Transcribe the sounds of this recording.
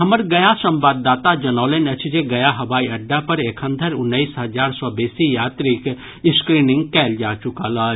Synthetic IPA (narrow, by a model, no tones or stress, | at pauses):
ɦəməɾɡəjasə̃mbaːd̪ːaːt̪ad͡ʒɐnɔːlenət͡ʃʰd͡ʒeɡɐjaɦɐʋaːiɐɖːapəɾekʰə̃nd̪ʱəɾʊnːəisɦəd͡ʒaːɾsɔbeːsijaːt̪ɾik | ɪskɾiːnɪ̃ŋɡkɛːld͡ʒaːt͡ʃʊkalaː